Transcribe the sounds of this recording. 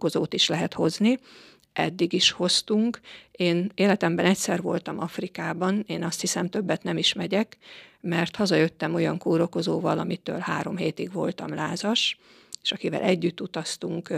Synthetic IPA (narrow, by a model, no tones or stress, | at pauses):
o̞zoːt̪iʃlɛɦɛt̪ho̞zni | ʔɛ̰d̪ːiɡiʃho̞st̪uŋkeːneːlɛt̪ɛmbɛnɛcsɛrvo̞lt̪ɒmɒfrikaːbɒneːnɒst̪hisɛmt̪ø̞bːɛt̪nɛmiʃmɛɟɛkmɛrt̪hɒzɒjø̞t̪ːɛmo̞jɒŋkuːɾo̞ko̞zoːvɒlɒmit̪ø̰ːlhaːɾo̞mɦeːt̪iɡvo̞lt̪ɒmlaːzɒʃ | e̥ːʃɒkivɛ̰lʔɛɟːyt̪ːut̪ɒst̪uŋk